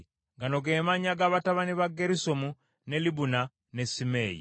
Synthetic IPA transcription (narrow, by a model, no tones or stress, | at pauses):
ŋɡano̞ɡe̞ːmaɲaɡaβataβaniβaɡeɾisomu | ne̞liβuna | ne̞simeːjḭ